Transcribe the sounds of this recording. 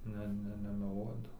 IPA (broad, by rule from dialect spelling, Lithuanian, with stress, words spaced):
ˈnʲɛ ˈnʲɛ nʲɛmʲɛˈlˠuɔdɐw